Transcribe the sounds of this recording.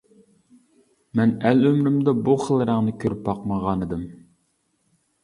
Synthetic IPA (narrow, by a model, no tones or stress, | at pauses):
mɛnɛlømɾymd̪ɛbuχəlˠɾəŋnɨkʲʰøɾypːɑqməʁɑnɨd̪ɨm